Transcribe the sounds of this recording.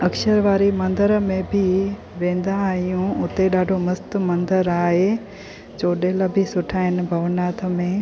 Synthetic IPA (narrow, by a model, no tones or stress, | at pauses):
ɐkʃəɾʋaːɾimɐ̃nd̪əɾəmẽbʱɪ | ʋẽːn̆d̪ãɦijũʊt̪eɗaːɖʱomɐst̪̆mɐ̃nd̪əɾaːɦe | t͡ɕoːɗeːlə̆bʱɪsʊʈʰaːɦɪnɪ̆bʱɐʋnaːt̪ʰə̆mẽ